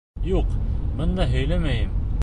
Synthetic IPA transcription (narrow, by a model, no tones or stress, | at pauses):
juqmɤ̆nd̪ɑɦɵ̆jlæmæjɘm